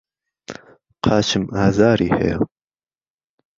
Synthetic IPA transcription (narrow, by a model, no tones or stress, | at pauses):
qʰɑːt͡ʃʰɨmaːzaːɾiːhɛ̰jo̰